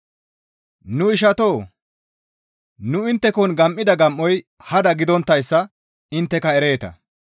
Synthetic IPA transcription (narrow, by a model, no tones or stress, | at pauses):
nʊɪʃ̬ɐt̪o̞ː | nʊɪnt̪ːɛkɔnɡɐmʔːɪd̪ɐɡɐmʔːɔj | hɐd̪ɐɡɪd̪ɔnt̪ːɐjsːɐ | ɪnt̪ːɛkɐɛɾe̞ːt̪ɐ̰